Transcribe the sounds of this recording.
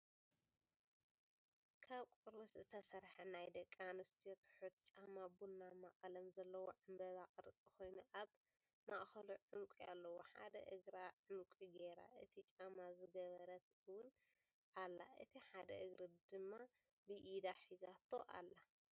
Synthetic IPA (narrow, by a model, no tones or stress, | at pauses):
kʰaβkʷʼuɾszɨt̪ʰɐsɐɾħɐnajd̪ɐkʼːanɨst̪ʰijot̪ʰħut̪t͡ʃʼamabunːamaχʼɐlɐmzɐlːɐwoʕɨmbɐzakʼɨɾɨt͡sʼikʰo̞jnuʔaβ | maʔxɐluʕʊmkʷʼia̰lːɐwo̞ħa̰d̪ɐ̰ʔɨɡɾaʕʊmkʷʼiɡeɾa̰ʔɨt̪ʰit͡ʃʼamazɨɡɐβɐɾɐt̪ | ɨwʊn | ʔalːaʔɨt̪ʰiħad̪ɐʔɨɡɾɨd̪ɨmːa | bɨʔid̪aħizat̪ʰːo̞ʔa̰lːa